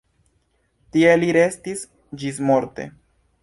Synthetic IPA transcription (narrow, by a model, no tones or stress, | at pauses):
tie̞liɾe̞stis | d͡ʒis̬mo̞ɾte̞̰